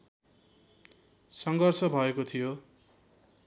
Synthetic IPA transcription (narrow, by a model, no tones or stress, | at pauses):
sʌŋɡʌrsʌbʱʌekot̪ʰijo